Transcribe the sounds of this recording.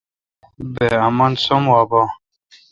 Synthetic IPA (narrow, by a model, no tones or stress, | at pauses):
bɛamansɔmwaba